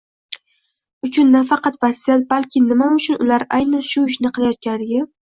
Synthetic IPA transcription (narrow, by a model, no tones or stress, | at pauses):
ʊt͡ʃʰʊnːafɑqɑt̪vasijalbalkʲʰɪnɪmaʊt͡ʃʰʊnʊlaɾʔajnanʃʊɪʃnɪqɨlˠajɒt̪̚kʲanlɪɡʲɪ